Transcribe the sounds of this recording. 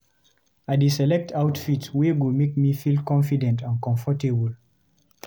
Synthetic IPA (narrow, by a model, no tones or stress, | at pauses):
adisɛlɛk̚tʰaʊtfitweɡumek̚mifilkɔ̃nfidɛ̃ntãnkɔ̃ɱfɔtebəl